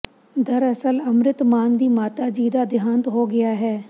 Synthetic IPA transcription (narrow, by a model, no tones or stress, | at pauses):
d̪ɐɾəsəlɐmɾɪt̪maːnd̪iːmaːt̪ad͡ʒiːd̪aːd̪ɪjɦaːnt̪ɦoːɡɪjaːɦɛː